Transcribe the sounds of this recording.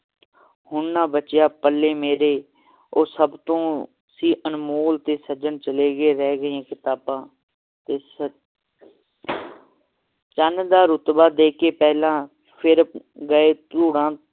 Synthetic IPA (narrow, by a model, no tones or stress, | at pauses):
hʊɳnãːbət͡ʃjaːpəlːeːmeːɾeː | oːsəbt̪õː | siːʔənmoːlt̪eːsəd͡ʒənt͡ʃəleːɡeːɾɛːɡəãːkɪt̪aːbãː | t̪eːsə | t͡ʃənd̪aːɾʊt̪baːd̪eːkeːpɛːɦlãː | pʰɪɾɡəeːt̪uːɽãː